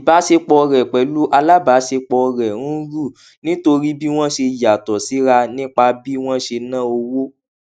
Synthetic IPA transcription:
i˨ba˨˦ʃe˧k͡pɔ˧ɾɛ˨k͡pɛ˨lu˦ʔa˧la˦ba˨˦ʃe˧k͡pɔ˧ɾɛ˨ɾũ˦ɾu˦˨ | nĩ˦to˧ɾi˦bi˦w̃ɔ̃˦ʃe˧˨ja˨tɔ˨si˨˦ɾa˧nĩ˦k͡pa˧bi˦w̃ɔ̃˦ʃe˧nã˦o˧wo˦

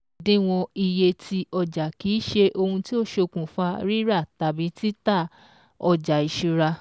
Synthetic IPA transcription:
dĩ˨˦w̃ɔ̃˧i˧je˧tʰi˧ɔ˧d͡ʒa˨kiː˨˦ʃe˧ʔo˧hũ˧ti˦o˦ʃo˧kũ˨fa˦ɾi˦ɾa˦˨ta˨bi˨˦ti˦ta˦˨ | ɔ˧d͡ʒa˨i˨ʃu˧ɾa˧

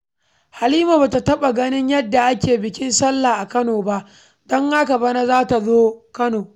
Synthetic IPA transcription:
ha˨liː˦ma˨baː˨ta˨tɐ˦ɓa˨ɡɐ˦nɪ˦ɲjɐ˦dːa˨ʔa˦kʲeː˨bɪ˨kʲɪ˦nsɐ˦lːa˨ʔa˨kɐ˦noː˨ba˦ʔ | dɔ˦ŋːaː˦ka˨bɐ˦na˦zaː˦ta˨zoː˦kɐ˦noː˨

